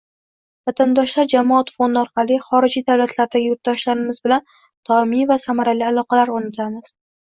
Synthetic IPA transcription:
vat̪ʰand̪ɒʃlaɾd͡ʒamɒat̪fond̪ɪɒɾqʰɑlˠɪχɒɾɪd͡ʒid̪awlat̪ʰlaɾd̪aɡʲɪjoɾt̪̚d̪ɒʃlaɾɪmɪzbɪlan | t̪ʰɒɪmivasamaɾalialˠɒqɑlaɾonat̪ʰamɪz̥

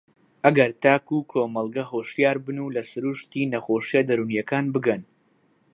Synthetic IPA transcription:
ʔɐɡɐɾt̪aːkukʰoːmɐlˠɡɐɦoːʃjaːɾbɨnulɐsɨɾuʃt̪iːnɐχoːʃijad̪ɐɾunijɐkaːnbɨɡɐn

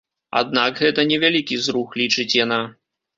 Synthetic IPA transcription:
a̰d̪̚naɡɣɛt̪ɐnʲɛvʲalʲikʲizɾuxlʲit͡ʂɨt͡sʲjana

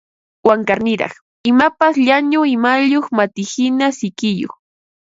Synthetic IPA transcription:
waŋkaɾnɪɾɑ̰χ | ɪmapasʎaɲʊɪmaʎoχmat̪ɪhɪnasɪkɪjo̰χ

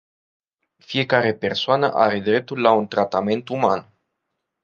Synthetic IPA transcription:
fije̞kaɾe̞pe̞rsoanə̰ʔa̰ɾe̞d̪ɾe̞p̚t̪ulːaunt̪ɾat̪ame̞nt̪uman

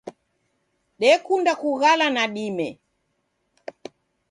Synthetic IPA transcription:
ɗɛkundakuɣalanaɗimɛ

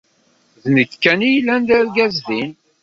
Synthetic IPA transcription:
ðnəɡkːænijlːænd̪æɾɡæzðin

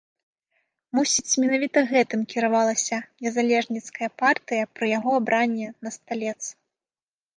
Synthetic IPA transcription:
musʲit͡sʲmʲɛnavʲit̪ɐɣɛt̪ɨmkʲiɾavalˠɐsʲɐnʲɛzalʲɛʐnʲit̪skɐjɐpart̪ɨjɐpɾɐjaɣɔabɾanʲːɛnɐst̪alʲɛt̪sɨ

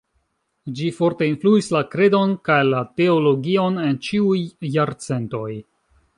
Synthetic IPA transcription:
d͡ʒifo̞ɾte̞influislakɾe̞do̞nkajlate̞olo̞ɡio̞ne̞nt͡ʃiujːaɾt͡se̞nto̞j

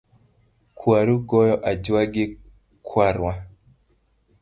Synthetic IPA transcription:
kʰwaɾuɡɔjɔʔad͡ʒwaɡɪ | kʰwaɾwa

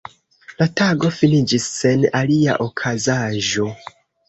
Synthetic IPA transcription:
lataɡo̞finid͡ʒisːe̞nalia̰ʔokʰazaʒo̞

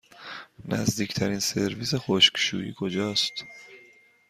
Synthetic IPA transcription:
næ̰zd̪iːcʰt̪ʰæɾiːnse̞ɾviːsexoʃkʃṵːjḭːkʰo̞d͡ʒɒːst̪

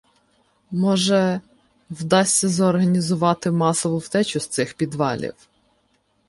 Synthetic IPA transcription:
mɔʒɛ | wd̪ɑsʲt͡sʲːɐzɔrɦɐnʲizʊʋɑt̪ɪmɑsɔʋʊwt̪ɛt͡ʃʲʊst̪sɪxpʲid̪ʋɑlʲḭw

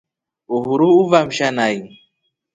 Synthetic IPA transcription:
uɦuɾuuvam̩ʃanai

